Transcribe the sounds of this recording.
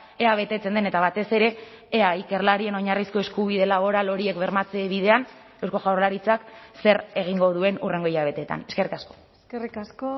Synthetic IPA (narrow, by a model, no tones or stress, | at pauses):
eaβe̞t̪e̞t͡se̞nd̪ene̞t̪aβat̪e̞se̞ɾe̞ː | aike̞ɾlaɾie̞no̞ɲarisko̞e̞skuβ̞iðe̞laβ̞o̞ɾalo̞ɾie̞kβe̞ɾmat͡se̞βið̞e̞an | e̞wsko̞ʝawɾlaɾit͡sakse̞ɾe̞ɣ̞iŋɡo̞ð̞ue̞nure̞ŋɡo̞iɾaβe̞t̪e̞t̪a̰ne̞ske̞rikasko̞̥ | skerikasko